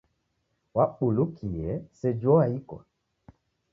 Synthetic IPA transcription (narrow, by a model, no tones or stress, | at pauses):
waɓolokʰijɛsɛd͡ʒɔaikɔ̰